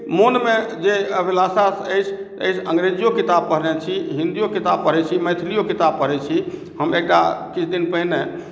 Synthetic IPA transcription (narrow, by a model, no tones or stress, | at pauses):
monmed͡ʒeəbʱilasasəjt͡ʃʰt̪əejt͡ʃʰəŋɡɾed͡ʒijokit̪ab̚pəɾ̤nɛt͡ʃʰiɦĩnd̪ijokit̪ab̚pəɾɛt͡ʃʰiməjt̪ʰlijokit̪ab̚pəɾɛt͡ʃʰi | ɦəmekɖa̰kit͡ʃʰd̪inpəɦine